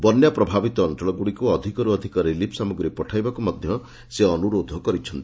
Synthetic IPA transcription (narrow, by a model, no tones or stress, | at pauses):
bɔnjapɾɔbʱabit̪ɔːnʈɔɭɔɡuɽikuɔd̪ʱikɔɾuɔd̪ʱikɔɾilipʰsamɔɡɾipɔʈʰajbakumɔd̪ʱjɔ | seɔnuɾod̪ʱɔkɔɾit͡ʃʰɔnt̪ii